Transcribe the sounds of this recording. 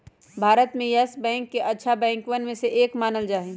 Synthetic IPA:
bʱaːɾət̪mẽjɐsbɛ̃ːŋkːeʔɐtːʃʰabɛ̃ːŋkʋənmẽseʔeːkmaːnəld͡ʒaːɦẽː

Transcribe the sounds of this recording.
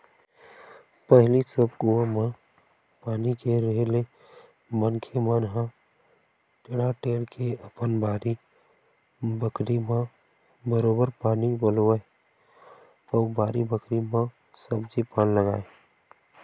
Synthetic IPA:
pəɦlisəbɡʊʋamã | paːnikeɾeɦle | mənkʰemãnɦã | t͡ʃɪɽaʈeːɽkʰeəpənbʱaːɾi | bəkɾimã | bəɾoːbəɾpaːnibəloːe | ɔːbaːɾibəkɾimã | səbd͡ʒipaːnləɡa̰ːe

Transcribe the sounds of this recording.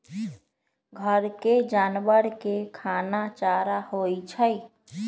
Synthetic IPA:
ɡʱəɾked͡ʒaːnbəɾkekʰaːnat͡ʃaːɾahoit͡ʃʰəj

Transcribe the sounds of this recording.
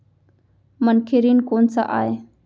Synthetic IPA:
mənkʰeɾiːnkoːnsa̰ʔaːe

